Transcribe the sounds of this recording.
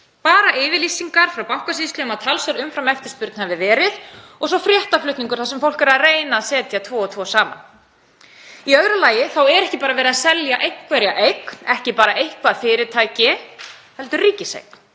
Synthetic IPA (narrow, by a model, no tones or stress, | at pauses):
paːɾaʔɪːvɪlisiŋkaɾ̥fɾawpaw̥kasist̪lɪʏmaðt̪ʰalsʏɾʏmfɾamɛft̪ɪ̥spʏɾt̪nhavɪvɛːɾɪðɔɣsɔfɾjɛht̪aflʏht̪niŋkʏɾ̥θasɛmfowl̥kɛɾaðreːjnaːðsɛːt̪jat̪ʰvɔːɔt̪ʰvɔsaːma̰n | iœɣɾʏlaːjɪθawɛɾɛhcɪpaːɾavɛːɾɪðasɛljaʔejhkʰvɛɾjaʔejkn̥ɛhcɪpaːɾaʔejhkvaðfɪːɾɪt̪ʰaːjcɪhɛlt̪ʏɾriːcɪsḛjkn̥